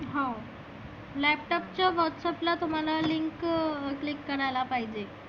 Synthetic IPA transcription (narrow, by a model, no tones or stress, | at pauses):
ɦã | lɛp̚ʈɔpt͡ɕjaʋɔʈsɛplat̪um̤alaliŋkklikːəɾajlapaɦid͡ʑe